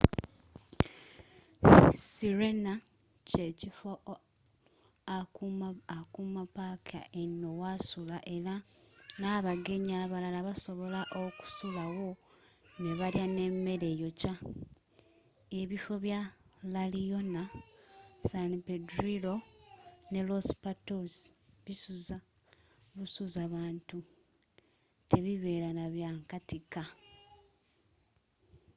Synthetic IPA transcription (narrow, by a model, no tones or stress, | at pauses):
siɾena | ce̞cifo | a | akumapakʰa̰enːowasulaʔe̞ɾanaːβaɡe̞ɲaːβalalaβaso̞βo̞laʔoku̥sulaɣo̞ | ne̞βaljane̞mːe̞ɾe̞jo̞ca | e̞βifo̞βjalalijo̞na | sanpedɾilo̞ | ne̞lospatosi̥βisuza | βusuzaβaːntu | te̞βiβe̞ːɾanaβjaːŋkatika